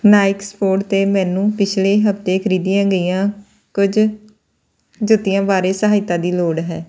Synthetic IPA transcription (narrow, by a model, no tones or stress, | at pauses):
naːɪkspoːʈt̪eːmɛ̃ːnũːpɪt͡ʃʰleːɦəpt̪eːkʰəɾiːd̪ijãːɡəiːãː | kʊd͡ʒ | d͡ʒʊt̪ːijãːbaːɾeːsəɦaːɪt̪ːãːd̪iːloːɽɦɛː